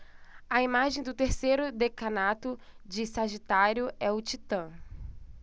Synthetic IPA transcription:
ɐimaʒẽj̃d̪ʊt̪eɾsejɾʊd̪ekɐnat̪ʊd͡ʒɪsaʒit̪aɾjʊɛʊt͡ʃit̪ɐ̃

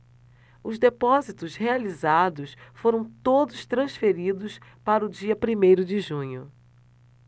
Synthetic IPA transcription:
ʊzd̪epɔzit̪ʊshealizad̪ʊsfoɾɐ̃w̃t̪od̪ʊst̪ɾɐ̃sfeɾid̪ʊspaɾʊd͡ʒiɐpɾimejɾʊd͡ʒɪʒũɲʊ

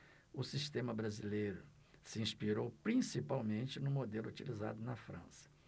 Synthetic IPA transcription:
ʊsist̪ẽmɐbɾazilejɾʊ | sɪĩspiɾowpɾĩsipawmẽnt͡ʃɪnʊ̃mod̪elʊut͡ʃiliza̰d̪ʊnɐfɾɐ̰̃sɐ̥

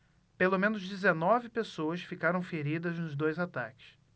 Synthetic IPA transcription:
pelomẽnʊzd͡ʒizenɔvɪpesoɐsfikaɾɐ̃w̃feɾid̪ɐznʊzd̪ojzat̪a̰kɪ̥s

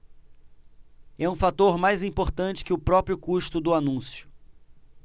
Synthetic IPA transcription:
ɛũfat̪oɾmajzĩpoɾt̪ɐ̃nt͡ʃɪ̥kɪʊpɾɔpɾjʊkuʃt̪ʊd̪ʊanũsjʊ̥

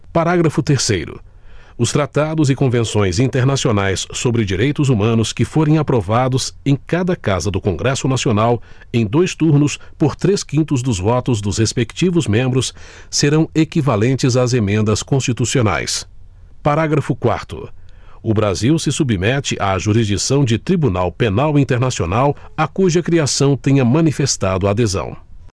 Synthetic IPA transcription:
paɾaɡɾɐfʊt̪eɾsejɾʊ̰ | ʊst̪ɾat̪ad̪ʊzɪkõvẽsõj̃zĩnt̪eɾnasionajsːobɾɪd͡ʒiɾejt̪ʊzumɐ̃nʊskɪfoɾẽj̃apɾovad̪ʊzẽj̃kad̪ɐkazɐd̪ʊkõŋɡɾɛsʊnasionaw | ẽj̃d̪ojst̪uɾnʊspoɾt̪ɾeskĩnt̪ʊzd̪ʊzvɔt̪ʊzd̪ʊzhespekt͡ʃivʊzmẽmbɾʊsː | eɾɐ̃w̃ekivalẽnt͡ʃɪzazemẽnd̪ɐskõst͡ʃit̪usiona̰js | paɾaɡɾɐfʊkwa̰ɾt̪ʊ̰ | ʊbɾaziwsɪsubimɛt͡ʃɪʔaʒuɾizd͡ʒisɐ̃w̃d͡ʒɪt̪ɾibuna̰wpenawĩnt̪eɾnasio̰nawakuʒɐkɾiasɐ̃w̃t̪ẽɲɐmɐ̃nifest̪ad̪ʊaːd̪ezɐ̰̃w̃

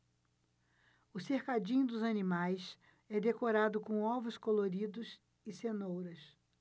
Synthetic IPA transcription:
ʊsehkad͡ʒĩɲʊd̪ʊzɐnimajs | ɛd̪ekoɾad̪ʊkõɔvʊskoloɾid̪ʊs | ɪsenowɾɐs

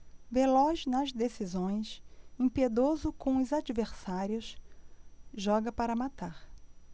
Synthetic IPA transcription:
velɔznɐzd̪esizõj̃sẽpied̪ozʊkõw̃ʊzad͡ʒiveɾsaɾjʊs | ʒɔɡɐpaɾɐmat̪aɾ

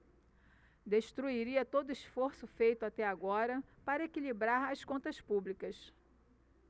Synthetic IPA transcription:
d̪eʃt̪ɾuiɾiɐt̪od̪ʊiʃfoɾsʊfejt̪ʊat̪ɛaɡɔɾɐpaɾɐekilibɾaɾɐskõnt̪ɐspublikɐs

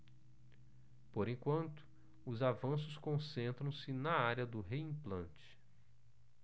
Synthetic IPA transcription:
poɾẽŋkwɐ̃nt̪ʊ̥ | ʊzavɐ̃sʊskõsẽnt̪ɾɐ̃w̃sɪnɐaɾjɐd̪ʊɦeĩplɐ̃nt͡ʃɪ̥

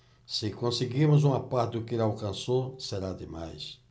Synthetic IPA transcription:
sɪkõsɪɡimʊzũmɐpaɾd̪ʊkelawkɐ̃nsoseɾad̪ɪma̰js

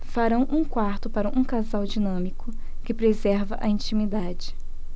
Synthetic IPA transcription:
faɾɐ̃w̃ʔũkwaɾt̪ʊpaɾɐʔũkazawd͡ʒinɐ̃mikʊ | kɪpɾezɛɾvɐʔɐĩt͡ʃimid̪ad͡ʒɪ

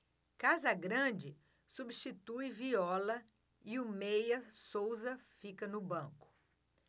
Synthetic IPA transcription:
kazɐɡɾɐ̃d͡ʒɪ | subiʃt͡ʃit̪ujviɔlɐ | iumejɐsowzɐfikɐnʊbɐ̃kʊ̥

